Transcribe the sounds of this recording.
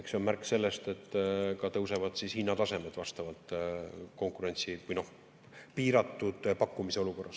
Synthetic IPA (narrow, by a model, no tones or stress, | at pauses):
eksonmærkːˑse̞lːe̞st̪e̞t̪ːˑkɑt̪ɤwse̞vɑd̪̥sishinːɑt̪ɑse̞me̞d̪̥vɑst̪ɑvɑlt̪ˑko̞ŋkuɾe̞nʲt̪sivujno̞h | piːɾɑt̪ːˑud̪̥pɑkːˑumise̞o̞luko̞rːɑs